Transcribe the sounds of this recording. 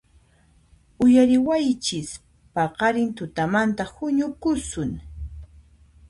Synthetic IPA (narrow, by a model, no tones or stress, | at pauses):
ʊjaɾɪwajt͡ʃɪs | pɑqɑɾɪnt̪ʊt̪amant̪ahʊɲʊkʊsʊŋ